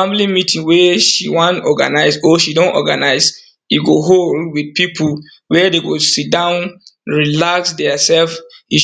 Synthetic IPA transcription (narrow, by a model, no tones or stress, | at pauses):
ãmlimitʰĩŋwɛʃiwãntɔɡa̰naɪsoʃidõnɔ̰ɡanaɪz | jiɡoɦoldwidpipʰul | wɛdeɡosit̚dãʊ̃nɹilaksdɛsɛlfhi